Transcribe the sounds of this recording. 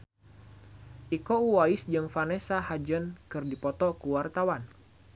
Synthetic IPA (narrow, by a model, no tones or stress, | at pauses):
ʔikouwaisd͡ʒɨŋfanesahad͡ʒənkɨrdipɔt̪ɔkuwart̪awan